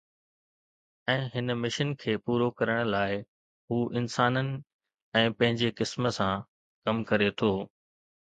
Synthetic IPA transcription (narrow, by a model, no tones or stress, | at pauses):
ɛ̃ːɦɪnmɪʃənkʰeːpuːɾokɐɾəɽ̃̆laːɪ | ɦuːʔɪnsaːnənɪ̆ | ɛ̃ːpɐ̃ɦɪ̃ɲd͡ʑekɪsmə̆sã | kɐmkɐɾet̪ʰoː